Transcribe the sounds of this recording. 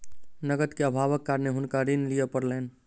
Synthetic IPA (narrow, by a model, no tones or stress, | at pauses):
nəɡət̪keəbʱaʋəkːaɾneɦʊnkaɾinlijəpəɾlen